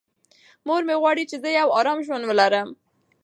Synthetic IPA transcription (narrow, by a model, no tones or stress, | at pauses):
moɾmeɣwɑɽit͡ʃezəjawɑɾɑmʒwand̪wəlaɾəm